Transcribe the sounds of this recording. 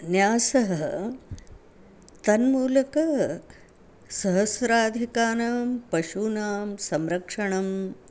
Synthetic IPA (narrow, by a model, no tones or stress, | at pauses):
njaːsɐɦɐ | t̪ɐnmuːlɐkɐ | sɐɦɐsɾaːd̪ʱikaːnaːmpɐʃunaːmsɐmɾɐkʂɐɳɐm